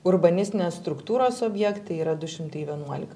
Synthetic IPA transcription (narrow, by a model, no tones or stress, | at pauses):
ʊɾbɐnʲɪsʲt̪ʲɪnʲeːsst̪ɾʊkt̪uːɾoːsoːbʲjɛkt̪ʲɛiːɾɐd̪ʊʃʲɪmt̪ɐɪʋʲiɛnuɔlʲɪkɐ